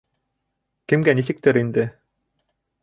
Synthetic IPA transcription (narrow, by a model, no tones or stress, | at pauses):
kɘ̆mɡænisɘ̆k̚t̪ɘɾind̪ɘ